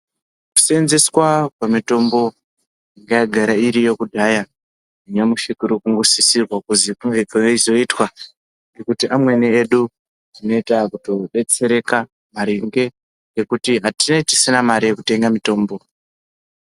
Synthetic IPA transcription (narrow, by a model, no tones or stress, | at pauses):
ku̥senzeswapamito̞mbo̞ | iŋɡajaɡʱaɾaiɾijo̞kudʱaja | iɲamuʃikuɾukuŋɡusisirwakuzikuŋɡekaeizo̞itwa | ŋɡe̞kutiʔamwe̞nieɗu | ino̞itakuto̞ɗe̞t͡se̞ɾe̞ka | maɾeŋɡe̞ | ŋɡe̞kutiɦatineti̥sinamaɾijekute̞ŋɡamito̞ːmbo̞